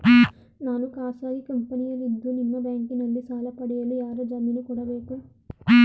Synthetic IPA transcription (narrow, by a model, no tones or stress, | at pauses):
naːnukaːsaːɡikɐmpɐnijɐlid̪ːunimːɐbaːŋkinɐlːit͡ʃaːlɐpɐɽɛjɐlujaːɾɐd͡ʒɐɾminɐkuːɽaːʋeːku